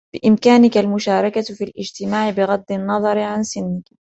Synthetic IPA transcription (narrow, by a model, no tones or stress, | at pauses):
b̥ɪʔɪmkaːnɪkalmʊʃaːɾˤɑkafilʔɪd͡ʒt̪ɪmaːʕɪbɪɣad̪ːɪnːɑðˤɑɾʕansɪnːɪk